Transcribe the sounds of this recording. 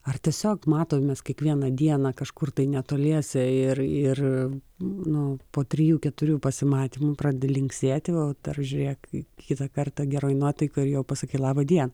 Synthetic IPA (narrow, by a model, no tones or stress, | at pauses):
ɐrt̪ʲɛsʲoːkmɑːt̪oːmʲɛskʲɛkʋʲiɛnɐd̪ʲiɛnɑkɐʃkʊrt̪ɐɪnʲɛt̪oːlʲiɛsʲɪɪrɪr | nʊpoːt̪ʲɾʲɪjuːkʲɛt̪ʊɾʲuːpɐsʲɪmɑːt̪ʲiːmʊpɾɑːdʲed̪ʲɛlʲɪŋksʲeːt̪ʲɪʋɐʊd̪̥ɐrʒʲʊɾʲeːkkkʲɪt̪ɐkɐrt̪ɐɡʲɛɾoːɪnuɔt̪ɐɪkoːɪɾjɛʊpɐsʲɪkɐɪlˠɑːbɐd̪ʲiɛnɐ